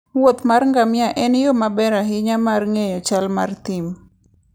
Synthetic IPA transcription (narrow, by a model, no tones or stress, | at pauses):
wot̪marŋɡamjaʔɛnjomabɛɾaɦɪɲamarŋejɔt͡ʃalmart̪ɪm